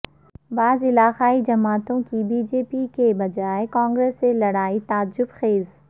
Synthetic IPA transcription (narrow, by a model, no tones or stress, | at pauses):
baːzɪlaːqaːid͡ʒɐmaːt̪õkibiːd͡ʒeːpikebɐd͡ʒaːekãːŋɡɾeːsːelɐɽaːit̪aːd͡ʒʊbxeːz